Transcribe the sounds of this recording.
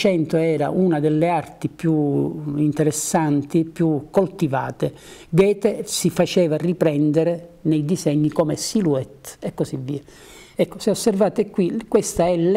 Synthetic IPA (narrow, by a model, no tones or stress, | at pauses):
t͡ʃɛnt̪oɛːɾa̰ʔunad̪elːeart̪ipjuint̪eɾesːant̪ipjukːolt̪iva̰ːt̪e | ɡɛːt̪esifat͡ʃɛːvaripɾɛnd̪eɾenejd̪izɛɲːikɔːmesiluɛt̪ekːosivːiːa | ɛkːoseosːervaːt̪ekːwikːwest̪aɛl